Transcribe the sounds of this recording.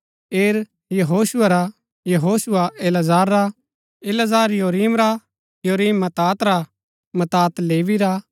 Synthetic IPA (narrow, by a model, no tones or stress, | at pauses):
eːɾ | jɐɦoːsʊɐɾa | jɐɦoːsuaʔelɐzaːɾːa | eːlɐzaːɾjoːɾiːmɾa | joːɾiːmːɐt̪aːt̪ɾa | mɐt̪aːt̪leːʋiɾa